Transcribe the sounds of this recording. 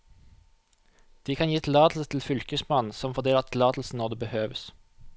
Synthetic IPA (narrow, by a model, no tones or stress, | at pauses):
d̪̥iːkʰɑnjiːt̪ʰɪlɑːt̪l̩sət̪ʰl̩fʏlkəsmɑnn̩sɔmfɔd̪eːləʁɑt̪ʰɪlɑːt̪l̩sn̩nɔʁd̪eːbəhøːʋəs